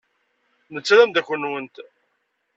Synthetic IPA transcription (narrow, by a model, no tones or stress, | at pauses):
nət͡sːðæmd̪ækʷːənːwənt̪